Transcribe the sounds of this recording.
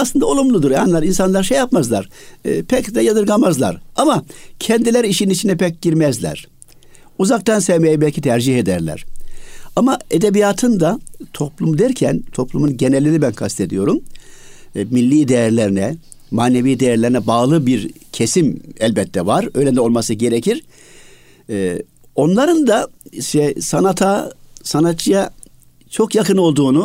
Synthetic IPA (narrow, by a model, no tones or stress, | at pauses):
aslˠɯnd̪ao̞lˠumlˠud̪uɾjanlˠaɾinsanlˠaɾʃejapmazlˠaɾ̥pʰɛcd̪ɛjad̪ɯɾɡamazlˠa̰ɾamacʰɛnd̪ilʲeɾiiʃininit͡ʃʰinɛpɛc̚ɟiɾmɛzlʲæ̰ɾ̥ | uzakt̪ansɛvmejɛbɛlʲcʰit̪ʰæɾd͡ʒiɦed̪æɾlʲæ̰ɾ̥ | amaed̪ebijaːt̪ʰɯnd̪at̪ʰo̞plˠumud̪æɾcʰænt̪ʰo̞plˠumunɟe̞nɛlʲːiɾibænkʰast̪ʰe̞d̪ijo̞ɾum | milʲːiːd̪e̞jæɾlʲeɾinɛ | maːnevijːd̪ejæɾlʲe̞ɾinɛbaːlˠɯbiɾcʰe̞simɛlʲbɛt̪ʰːɛvaɾøjlʲɛnd̪ɛo̞lˠmasɯɟe̞ɾecʰiɾ̥ | onlˠaɾɯnd̪aʃt̪ɛsanat̪ʰasanat̪t͡ʃja | t͡ʃʰo̞kjakɯno̞lˠd̪uːnu